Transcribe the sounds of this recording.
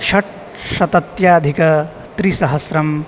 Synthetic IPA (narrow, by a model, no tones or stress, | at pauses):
ʃɐʈ̚ | ʃɐt̪ɐt̪jaːɐd̪ʱikɐ | t̪ɾisɐɦɐsɾɐm